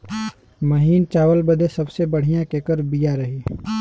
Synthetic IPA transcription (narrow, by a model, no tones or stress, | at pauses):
mɐɦiːnt͡ʃaːwəlbɐd̪esɐbsebɐɽ̤ijãkeːkəɾbijaɾɐɦiː